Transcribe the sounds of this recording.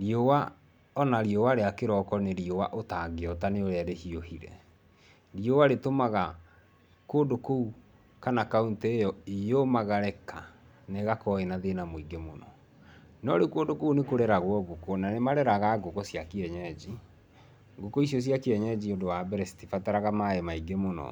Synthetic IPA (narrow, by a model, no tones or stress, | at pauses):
ɾiowa | ɔnaɾiowaɾeakeɾɔkɔneɾiowaʔotaɡeɔtaneoɾeaɾehiohiɾɛ̰ | ɾiowaɾetomaɣa | koːndokou | kanakaunteejɔijomaɣaɾɛka | neɣakɔenaðenamoiɡemonɔ̰ | nɔɾekoːndokounekoɾɛɾaɣwɔɣokonanemaɾɛɾaɣaɡokɔsjakeɛɲɛd͡ʑi | ɡokɔisjɔs̬jakeɛɲɛd͡ʑiodowabɛɾɛsi̥tifataɾaɣamaemaiɡemonɔ̰